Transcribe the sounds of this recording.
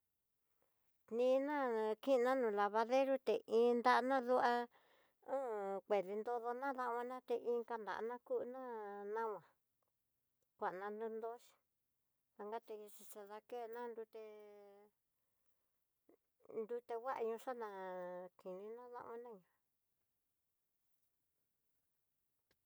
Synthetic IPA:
nĩː˧nã˦kĩ˦˧nã˦nũ˧˨la˧βa˧ðe˦ɾu˦t̪e˨ʔĩ˧˦nd̪a˧˦˧nã˦ðu˦ʔa˧ | ũ˦˨kʷe˨ði˧nd̪o˧ðo˧nã˦ða˧ʔã˧nã˦t̪e˧ʔĩ˧˦ŋka˧nd̪a̰˨ʔnã˦ku˦ʔnã˦nã˦wã˨ | kʷa˨ʔnã˧nd̪ũ˧nd̪o˦ʃi̥˧ | ða˧ŋɡa˦t̪ẽ˧t͡ʃi˧t͡ʃa˧ða˧ke˦˧nã˦nd̪u˧t̪e˧ | nd̪u˧˦t̪e˧wa˦ʔa̰˧ɲũ˧ʂa˦nã˧ki˨nĩ˧nã˦ða̰˧ʔã˧˦nã˦ɲũ˧

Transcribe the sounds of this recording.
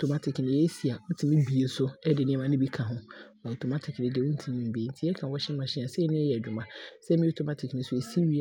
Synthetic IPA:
to˨ma˦tʰɪ˨knɪ̃˨jɛ˦si˨a˨ʊ˦tʰĩ˨mĩ˦bi˨e˨sʊ˦ɛ˦dɪ˨nɪ̃˦ɛ̃˦mã˦nɪ̃˦bi˦kʰã˨ɦʊ̃˦ | a˨o˨tʰo˨ma˦tʰɪ˨knɪ̃˨dɪ˨wʊ˦n̩˦tʰĩ˨nĩ˨m̩˨be˨˦n̩˦tʰi˦ɛ˦kʰã˨wɔ˦ɕɪ̃˦mã˨ɕɪ̃˦ã˨sɛ˦ɛ˦nɪ̃˦jɛ˨d͡ʑᶣʊ˨mã˨sɛ˦mĩ˦o˨tʰo˨ma˦tʰɪ˨knɪ̃˦sʊ˨e˨si˦wi˦˨

